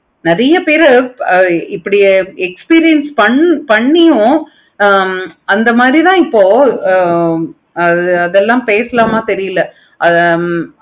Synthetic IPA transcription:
nɪɾɐjɐpeːɾ | ɪpːɐɽɪjeɛkspiːɾɪjɛnspɐɳpɐɳːɪjʊ̃ | ɐnd̪ɐmaːd̪ɾit̪ãːɪpːoː | ɐðɯɐðɛlːãːpeːsɐlaːmaːt̪ɛɾɪjɯlːɐ | ʔɐ

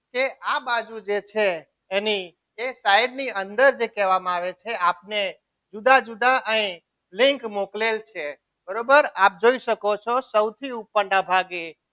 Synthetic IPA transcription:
keʔabad͡ʒud͡ʒet͡ʃʰe | eni | esaɪɖniənd̪əɾd͡ʒekɛʋamaʋet͡ʃʰeapne | d͡ʒud̪ad͡ʒud̪ʱaʔəĩ | lĩŋkmoklelt͡ʃʰe | bəɾobəɾap̚d͡ʒoisəkot͡ʃʰɔsəwt̪ʰiupːəɳɖabʱaɡe

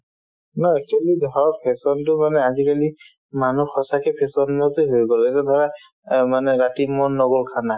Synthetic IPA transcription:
nɔɛk̚t͡ʃualidʱaɹɔpʰɛsɔntʊmanɛazikali | manuxɔsakɛpʰɛsɔnːɔtoɦojɡɔlɛtɛdʱaɹa | manɛɹatimɔnːɔɡɔlkʰana

